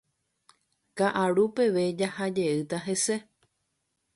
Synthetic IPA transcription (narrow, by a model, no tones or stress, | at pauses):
kaʔaɾupe̞ʋe̞d͡ʒahad͡ʒe̞ɨt̪aɦe̞se̞